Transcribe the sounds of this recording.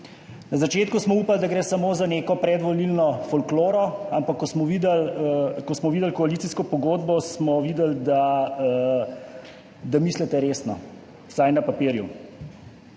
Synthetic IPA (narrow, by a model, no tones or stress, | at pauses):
nazat͡ʃeːt̪kusmɔuːpald̪aɡɾeːsamoːzaneːkɔpɾɛd̪ʋɔlilnɔfɔlkloːɾɔampakːɔsmɔʋid̪ɛləkɔsmɔʋiːd̪əlkɔalit̪siskɔpɔɡoːd̪̚bɔsmɔʋiːd̪əld̪a | d̪amiːslɛt̪ɛɾeːsnɔ̰ | sajnapapiːɾjṵ